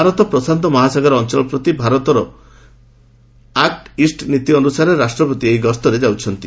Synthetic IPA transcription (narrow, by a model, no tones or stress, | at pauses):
aɾɔt̪ɔpɾɔsant̪ɔmɔɦasaɡaɾɔnt͡ʃɔlɔpɾɔt̪ibʱaɾɔt̪ɔɾɔ | akʈisʈnit̪iɔnusaɾeɾasʈɾɔpɔt̪iejɡɔst̪ɔɾed͡ʒawt͡ʃʰɔnt̪i